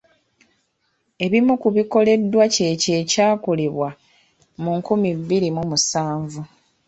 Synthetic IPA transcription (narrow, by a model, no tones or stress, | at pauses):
e̞βimukuβiko̞le̞dːwace̞ce̞ːcaːkole̞βwa | muŋkumiβːiɾimumusaːɱvu